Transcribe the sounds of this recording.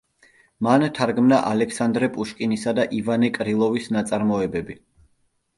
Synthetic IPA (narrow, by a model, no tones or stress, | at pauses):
mant̪ʰaɾɡmnaʔalɛkʰsand̪ɾɛpʼuʃkʼinisad̪aʔivanɛkʼɾilˠɔvisnat̪sʼaɾmɔɛbɛbi